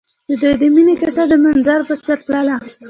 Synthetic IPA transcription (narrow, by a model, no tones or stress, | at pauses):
d͡ʒɪd̪ujd̪əminekasad̪əmanzɑɾpəsaɾplala